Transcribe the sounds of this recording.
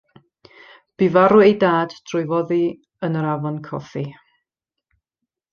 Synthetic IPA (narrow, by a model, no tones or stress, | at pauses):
b̥ivaɾʊejdaːd̥d̥rʊjvɔði | ənəɾavɔnkʰɔ̰fi